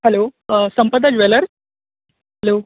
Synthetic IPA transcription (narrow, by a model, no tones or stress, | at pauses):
hɛlosəmpəd̪əd͡ʑʋeləɾs | hɛloː